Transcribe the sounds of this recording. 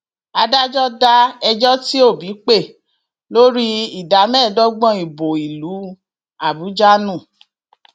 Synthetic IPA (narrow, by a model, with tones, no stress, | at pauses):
a˧da˦d͡ʒɔ˦da˦ɛ˧d͡ʒɔ˦ti˦o˦˨bi˨˦k͡pe˦˨ | lo˦ɾi˦i˨da˨˦mɛ̃ː˦˨dɔ˦ɡ͡bɔ̃˦˨i˨bo˨i˨lu˨˦ | a˦˨bu˨˦d͡ʒa˦nũ˦˨